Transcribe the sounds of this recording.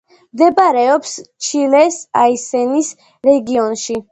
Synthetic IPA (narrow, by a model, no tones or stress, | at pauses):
md̪ɛbaɾɛɔpst͡ʃʰilɛsaisɛnis | ɾɛɡiɔnʃi